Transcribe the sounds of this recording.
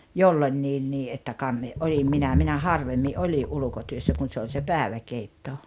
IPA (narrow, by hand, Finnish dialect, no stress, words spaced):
jolːonʲːiːnːiː ʔetːæ kɑnːe ʔolim minæ minæ hɑrʋemːi ʔoliʔ ʔulŭkotyøsːæ kun̞ se ol se pæːĕʋækeitːo